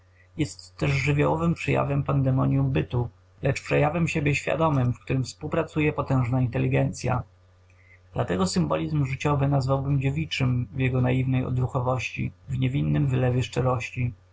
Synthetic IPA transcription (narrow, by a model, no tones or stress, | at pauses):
jɛst̪ːɛʐʐɘvʲjawɔvɘmpʂɛja̰vɛmpand̪ɛmɔɲjumbɘt̪u | lɛt͡ʂpʂɛjavɛmɕebʲjɛɕfʲja̰d̪ɔmɘmfk̚t̪uɾɘmfspuwpɾat̪sujɛpɔt̪ɛ̃w̃ʐnaint̪ɛlʲːiɡɛnt̪sʲja̰ | d̪̥lat̪ɛɡɔsɘmbɔlʲizmʐɘt͡ɕɔvɘnazvawbɘmd͡ʑevʲit͡ʂɘmvjɛɡɔnajivnɛjɔ̰d̪ɾuxɔvɔɕt͡ɕḭvɲɛvʲinːɘmvɘlɛvʲjɛʂt͡ʂɛɾɔɕt͡ɕi